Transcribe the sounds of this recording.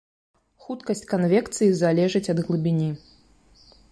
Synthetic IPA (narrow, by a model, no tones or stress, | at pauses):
xut̪kɐsʲt͡sʲkanvʲɛkt̪sɨjizalʲɛʐɨt͡sʲɐd̪ɣlˠɨbʲinʲi